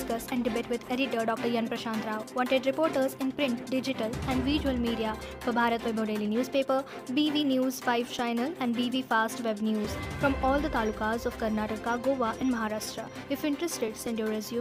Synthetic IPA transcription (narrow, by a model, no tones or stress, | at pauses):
skɐsɛ̃ɳɖɪbeːʈʋɪd̪eɾiʈəɖɔːk̚ʈəɾjɐ̃npɾɐʃãːnt̪ɾaːʋʋɔ̃ɳʈeɖɾɪpoːɾʈəɾzɪ̃npɾɪ̃ɳʈɖɪd͡ʒɪʈəlɛ̃ɳɖʋiʒuəlmiːɖija | fɔbʱaːɾət̪ʋebʱoːɖeːlinjuːzpeːpəɾ | biːʋinjuːzfaɪʋt͡ʃaɪnəlɛ̃ɳɖbiːʋiːfaːsʈʋebnjuːzfɾɔ̃mɔːld̪ət̪aːlukazɔfkɐɾnaːʈəkaɡoːʋaʔɛ̃nɖmɐɦaːɾaːʃʈɾa | ɪfɪ̃ɳʈɾəsʈeɖsɛ̃ɳɖjoːɾəzju